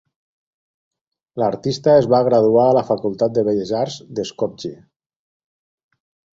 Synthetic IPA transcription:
laɾt̪ist̪əezβaɣɾaðuaːləfakulˠt̪at̪̚d̪əβeʎeʒaɾzd̪eskɔp̚d͡ʒe

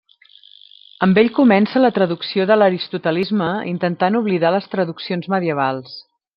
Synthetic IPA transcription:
əmbeʎkumɛnsələt̪ɾəðuksioðələɾist̪ut̪əlizməḭnt̪ənt̪anuβliðaləst̪ɾəðuksionzməðiəβ̞alˠs

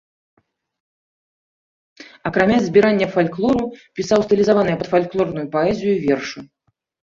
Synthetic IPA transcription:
ɐkɾamʲazʲbʲiɾanʲːɐfalʲklˠɔɾupʲisawst̪ɨlʲizavanɨjɐpɐt̪falʲklˠɔrnujupaɛzʲijuvʲɛrʂu

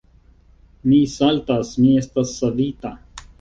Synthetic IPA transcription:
miːsalt̪asmiest̪ɐsːɐd̪iːt̪a

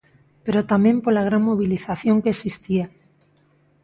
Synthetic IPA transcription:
peɾot̪amjempolaɣ̞ɾaŋmoβ̞iliθaθjo̞ŋkeesist̪ia

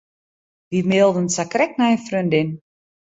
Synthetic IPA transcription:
ʋimeːlˠdənsakrɛk̚naənfrøndɪn

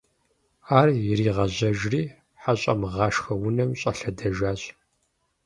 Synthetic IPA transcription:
aːrjɪɾiːʁɐʑɐʒriː | ħaɕʼɐ̰mʁɑːʃxɐwʊnɐmɕʼɐɬɐdɐʒaːɕʼ

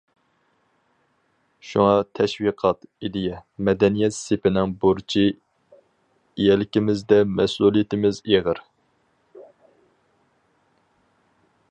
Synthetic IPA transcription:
ʃuŋɑt̪ʰɛʃwiqʰɑt̪id̪ɪjɛmɛd̪ɛnijɛt̪sepɪnɪŋbuɾt͡ʃʰi | jɛlɪkʲɪmɪzd̪ɛmɛsulˠijɪt̪ʰɪmɪzeʁəɾ

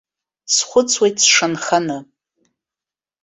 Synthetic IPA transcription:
sχʷʊt͡sʰwejtʰsʂanχanɨ

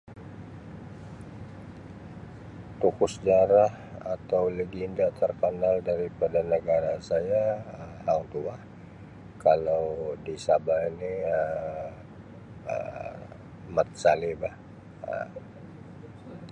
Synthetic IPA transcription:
t̪ukʊsd͡ʒaɾah | at̪awləɡindat̪ərkənaldaɾipadanəɡaɾasajaəmhaŋt̪ua | kalawdisabainiə | ə̰ | mət̪̚salibah | ə̰

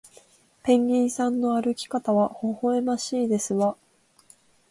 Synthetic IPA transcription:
pẽ̞ŋɡʲiːsãnːo̞aɾɯ̟kʲi̥kat̪aβaho̞ho̞e̞maɕiːd̪e̞sɨβa

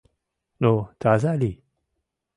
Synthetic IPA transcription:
not̪azali

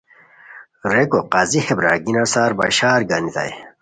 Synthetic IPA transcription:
ɾekoqazihebɾa̰ːɡinɐsaːɾba̰ɕaːɾɡanit̪a̰j

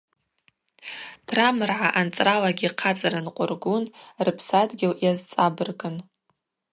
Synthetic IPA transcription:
tʰramɨrʕaʔant͡sʼralaɡʲiqʰat͡sʼaɾanqʷʼʊrɡunrɨpʰsadɡʲɪljazt͡sʼabɨrɡʼɨn

